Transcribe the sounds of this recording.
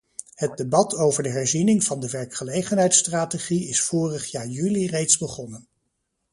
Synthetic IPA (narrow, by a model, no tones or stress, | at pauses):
hət̚debɑtowvəɹdəɦɛɹzinɪŋv̥ɑndəʋɛɹkχəlejχənɦɛjtstraːteχiɪsfoːrəχjaːɹjylirejtzbəχɔnən